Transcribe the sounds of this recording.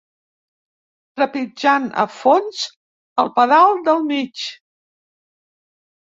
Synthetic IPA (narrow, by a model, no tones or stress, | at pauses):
t̪ɾəpid͡ʒanə̰fonz | əlˠpəðalˠd̪əlˠmit͡ʃ